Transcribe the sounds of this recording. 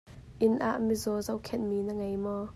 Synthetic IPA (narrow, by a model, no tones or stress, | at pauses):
ʔɪnʔa̰ʔmizɔzɐwkʰɛnmiːnəŋejmɔ